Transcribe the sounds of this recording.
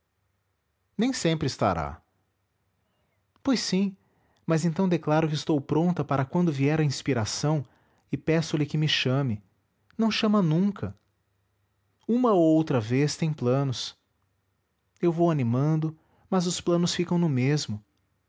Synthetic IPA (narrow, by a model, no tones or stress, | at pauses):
nẽj̃sẽmpɾɪst̪a̰ɾa̰ | pojsːĩ | mɐzẽnt̪ɐ̃w̃d̪eklaɾʊkɪɪst̪owpɾõnt̪ɐpaɾɐkwɐ̃nd̪ʊviɛɾɐĩspiɾasɐ̃w̃ | ɪpɛsʊlɪkɪmɪʃɐ̃mɪ | nɐ̃w̃ʃɐ̃mɐnũkʰɐ | ũmɐoowt̪ɾɐvest̪ẽj̃plɐ̃nʊs | ewvowanimɐ̃nd̪ʊ | mɐzʊsplɐ̃nʊsfikɐ̃w̃nʊmezmʊ